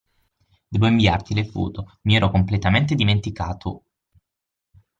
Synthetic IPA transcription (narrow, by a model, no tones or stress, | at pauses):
d̪̥ɛːboiɱvia̰rt̪ilepṵːt̪omiɛːɾɔkomplet̪ament̪ed̪iment̪ikaːt̪ʰo